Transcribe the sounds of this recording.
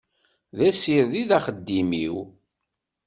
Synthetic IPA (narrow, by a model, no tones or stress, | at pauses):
ðæsiɾðiðæχəd̪ːimḭw